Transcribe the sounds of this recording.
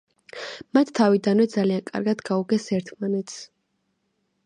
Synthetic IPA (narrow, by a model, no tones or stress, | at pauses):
mat̪ʰːavid̪anwɛd̪zaliankʼa̰ɾɡad̪ɡauɡɛsɛɾt̪ʰmanɛt̪s